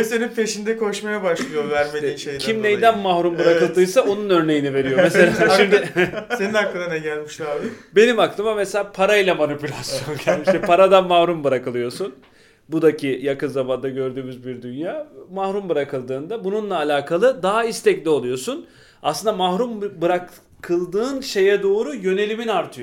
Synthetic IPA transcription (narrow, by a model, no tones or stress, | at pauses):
esenimpʰe̞ʃind̪ɛkʰo̞ʃmajabaʃlˠɯjovæɾmed̪iːʃejcʰimnejd̪ænmahɾumbɯɾakɯlˠd̪ɯjsaʔo̞nunø̞ɾne̞jinive̞ɾijomese̞lʲaːʃimd̪ɪse̞ninaklˠɯanɛɟælʲmiʃlˠaːbibe̞nimaklˠɯmameselʲaːpʰaɾajilʲˠamanipylʲasjjo̞nɟʰælʲmiʃʃt̪ʰɛpʰaɾad̪anmahɾumbɯɾakɯlˠɯjo̞sun | bud̪acʰijakɯnzaband̪aɟø̞ɾd̪yːmyzbiɾd̪ynjaːmahɾumbɯɾakɯlˠd̪ɯːnd̪abununlˠaːlʲaːkʰalˠɯd̪aɦaist̪ʰɛclʲio̞lˠujo̞sun | ʔa̰slˠɯnd̪amahɾumbɯɾak | kʰɯlˠd̪ɯːnʃe̞jɛd̪o̞ːɾujø̞ne̞lʲiminaɾt̪ʰɯjo